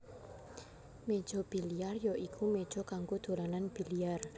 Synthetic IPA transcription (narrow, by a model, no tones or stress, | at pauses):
med̥ʒ̥ɔ̤b̥i̤liarjɔʔikʰumed̥ʒ̥ɔ̤kaŋkud̪̥o̤lananb̥i̤liar